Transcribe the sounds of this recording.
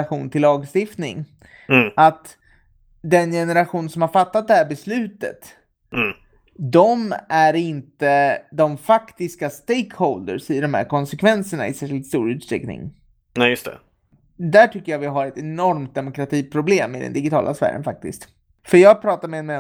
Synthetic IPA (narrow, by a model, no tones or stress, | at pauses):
ɧuːnt̪ʰɪlːɑːɡst̪ɪft̪nɪ̰ŋ | ʔat̪ | d̪ɛnjɛnɛɾaɧuːnsɔmhaɾfat̪ːat̪̚d̪ɛhæːɾbɛslʉ̟ːt̪ə̰t̪ː | d̪ɔmæɾɪnt̪əd̪ɔmfakt̪ɪskast̪ejkhɔld̪ə̰ɾsɛɖɔmhæ̰ɾkʰɔnsɛkʰvɛnsəɳa̰ɪsæːɾʂɪlt̪st̪uːɾʉ̟ːt̪st̪ɾɛ̰knɪ̰ŋ | ɛjɵst̪ɛ̰ | d̪æʈʰʏkːəjavɪɦaɾɛt̪ɛnɔɾmt̪̚d̪ɛmʊkɾat̪ʰiːpʰɾʊbleːmɪd̪ɛ̰nd̪ɪɡɪt̪ʰɑ̰ːlʔa̰svæ̰ːɾə̰nfak̚t̪ɪ̰st̪ | fœɾjɑːɡ̚pʰɾɑːt̪aɾmɛmɛ